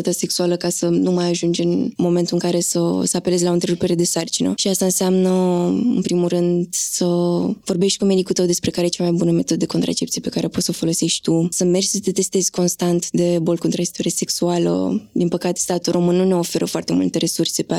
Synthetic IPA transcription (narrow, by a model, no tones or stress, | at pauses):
at̪ase̞ksualəkasənumajaʒund͡ʒɨnmo̞me̞nt̪uɨŋkaɾe̞sə̰səape̞le̞zʲlaont̪ɾeɾupe̞ɾe̞d̪e̞sart͡ʃinə̰ʃiast̪aɨnseamnəɨ̰npɾimurɨnd̪səvo̞rbe̞ʃt̪ʲkume̞d̪ikut̪əwd̪e̞spɾe̞kaɾet͡ʃamajbunəme̞t̪o̞d̪əd̪e̞ko̞nt̪ɾʔa̰t͡ʃe̞pt̪sije̞pe̞kaɾeopo̞t̪səfo̞lo̞seʃt̪ʲt̪usəme̞rʃsət̪et̪e̞st̪e̞zʲko̞nst̪ant̪d̪e̞bo̞lko̞nt̪ɾat͡ʃe̥t̪oɾase̞ksualə̰d̪inpəkat̪e̞st̪at̪ulrʔo̞mɨnːune̞o̞fe̞ɾʔəfoart̪e̞mult̪e̞ɾe̞surse̞pa